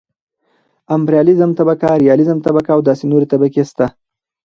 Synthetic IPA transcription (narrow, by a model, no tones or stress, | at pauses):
ampɾjɑlɪzəmt̪abakaɾijɑlɪzəmt̪abakaːwd̪ɑsenoɾet̪abakest̪a